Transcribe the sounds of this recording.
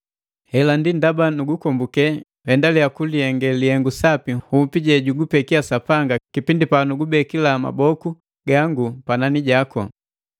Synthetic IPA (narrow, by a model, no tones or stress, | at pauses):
hɛlandindabanuɡukɔmbukɛ | hɛndalijakuliɛŋɡɛlihɛŋɡusapihumpiɟɛɟuɡupɛkiasapaŋɡakipindipanuɡubɛkilama̰bɔku | ɡaŋɡupananiɟakɔ̰